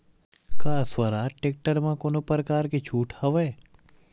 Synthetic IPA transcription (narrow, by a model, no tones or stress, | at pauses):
kaːsʋəɾaːʈek̚ʈəɾmãkoːnopəɾəkaːɾket͡ʃʰuːʈʰhəʋeː